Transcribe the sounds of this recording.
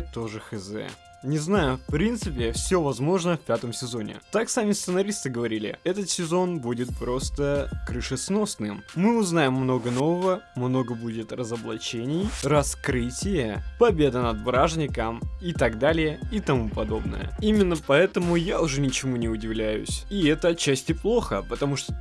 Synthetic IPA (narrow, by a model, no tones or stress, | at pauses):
t̪oʐɨxɨzɛ̰ | nʲɪznajʊfpɾʲint̪sɨpʲɪfsʲovɐzmo̞ʐnəfpʲat̪əmsʲɪzo̞nʲɪ̰t̪aksamʲɪst̪sɨnɐɾʲist̪ɨɡəvɐɾʲilʲɪ̰ɛt̪ət̪sʲɪzo̞nbudʲɪt̪̚pɾo̞st̪əkɾɨʂɨsno̞snɨmːɨʊznajɪmːno̞ɡəno̞vəvəmno̞ɡəbudʲɪt̪rəzəblˠɐ̰t͡ɕenʲɪjrɐskɾɨtʲɪjəpɐbʲe̞d̪ənɐd̪̚bɾaʐnʲɪkəmɪt̪ɐɡd̪alʲɪjəɪt̪ɐmupɐd̪o̞bnə̰jə̰imʲɪnːəpɐɛt̪əmʊjaʊʐɛnʲɪt͡ɕɪmunʲɪʊdʲɪvlʲæjʊ̰sʲiɛt̪əɐt̪̚t͡ɕːæsʲtʲɪplˠo̞xəpət̪ɐmuʂt̪o